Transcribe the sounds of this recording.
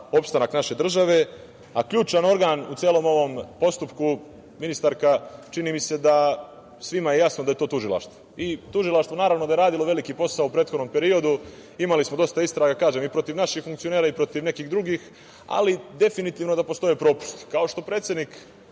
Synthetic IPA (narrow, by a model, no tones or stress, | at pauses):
o̞pst̪anaknaʃe̞d̪r̩ʒaʋe̞ | akʎuːt͡ʃano̞ɾɡaːnut̪jeːlˠo̞mo̞ʋo̞mpo̞st̪upku | minist̪aɾkat͡ʃiniːmise̞d̪a | sʋimaje̞jasnod̪aje̞t̪o̞ːt̪uʒilˠa̰ʃt̪ʋoit̪uʒilˠaʃt̪ʋo̞naːɾavʋnod̪aje̞ɾaːd̪iloʋe̞likipo̞saoupɾet̪xod̪no̞mpe̞ɾio̞d̪u | imalismod̪o̞st̪aist̪ɾaɡakaːʒe̞mipɾo̞t̪iʋnaʃixfuŋkt̪io̞neːɾaipɾo̞t̪iʋne̞kiɣd̪ɾuɡiːx | a̰lid̪e̞finit̪iːʋno̞d̪apo̞st̪o̞jepɾo̞ːpu̥st̪i̥kao̞ʃt̪o̞pɾet̪sje̞d̪nik